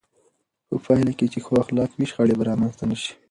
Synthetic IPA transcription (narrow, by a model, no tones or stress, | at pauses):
po̰fɑɪlaket͡ʃexoaxlɑkwiʃxaɽebaɾɑmanst̪anəʃi̥